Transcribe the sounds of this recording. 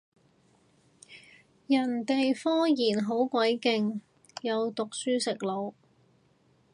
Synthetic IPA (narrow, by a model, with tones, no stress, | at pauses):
jɐ˨˩nt̪e˨jfɔː˥jiː˨˩nɦo˨˥wkʷɐ˨˥jkɪ˨ŋ | jɐ˨˧wt̪ʊ˨k̚syː˥sɪ˨k̚lo˨˧w